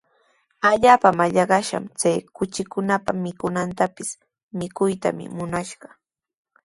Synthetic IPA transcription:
aʎaːpamaʎɑɢɑʃa̰mt͡sajkʊt͡ʃɪkʊnapamɪkʊnant̪apɪs | mɪkʊjt̪a̰mɪ̰mʊnaʃɢɑ

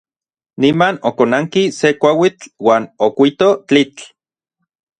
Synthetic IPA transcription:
nimanokonaŋkisekʷawit͡ɬwaːnokʷit̪ot͡ɬit͡ɬ

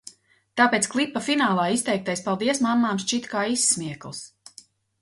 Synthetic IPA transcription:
t̪aːpeːt̪sklˠipːafinaːlˠaːist̪ɛjk̚t̪ajspalˠd̪iɛsmamːaːmʃt͡ʃit̪kaːisːmiɛklˠs

